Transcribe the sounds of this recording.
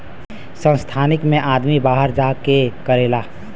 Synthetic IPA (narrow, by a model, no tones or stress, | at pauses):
sə̃st̪ʰaːnɪkmẽʔad̪mibaɦəɾd͡ʒakekəɾela